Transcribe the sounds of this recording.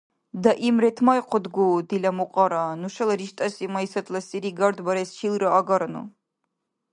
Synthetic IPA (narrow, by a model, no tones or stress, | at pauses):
d̪aʔimɾɛt̪ʰmajqʰɔd̪ɡuːd̪ilamuqʼaɾanuʃalɾiʃt̪ʼasimaisat̪ʰlasiɾiɡaɾd̪baɾɛsʃilɾaːɡaɾnṵ